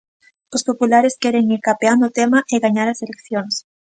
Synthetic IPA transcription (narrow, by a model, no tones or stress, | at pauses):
ospopulaɾeskeɾeŋiɾkapeand̪ot̪emaʔeɣaɲaɾaselekθjoŋs